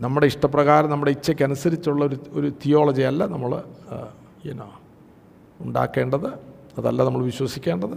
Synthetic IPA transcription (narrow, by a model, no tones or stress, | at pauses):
nɐmːuɽeiʂʈɐp̬ːrɐɣaːɾɐmnɐmːuɽeit͡ɕːekʲːɐnusɐɾit͡ɕːuɭːɐoɾuoɾut̪ijo̞ːɭɐd͡ʑiɐlːɐnɐmːɐɭ | eno̰ | uɳɖa̰ːkːe̞ːɳɖɐðɨ | ɐðɐ̰lːɐnɐmːɐɭʋiɕwɐsikʲːe̞ːɳɖɐðɨ